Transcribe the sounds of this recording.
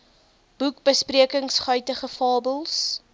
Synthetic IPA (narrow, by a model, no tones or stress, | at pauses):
b̥uk̚bəspriəkəŋsχœɥtəχəfɑːbəlˠs